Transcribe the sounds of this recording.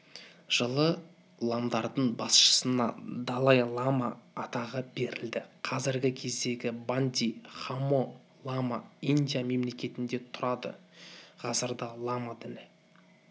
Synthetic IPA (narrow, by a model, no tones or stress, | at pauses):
ʒ̥əlˠə | lˠɑmd̪ɑɾd̪əɴbɑsʃə̥sənɑ̰d̪ɑlˠɑjlˠɑmaːt̪ɑʁəbe̞ɾɪld̪ɪqʰɑzɪɾɡʲɪkʲʰe̞zd̪e̞ɡʲɪband̪ʲiχamo | lˠamaijnd̪ijame̞mle̞kʲe̞t̪ɪnd̪e̞t̪ʰʊɾɑd̪ə̰qʰɑzəɾd̪ɑlˠamad̪ɪlɪ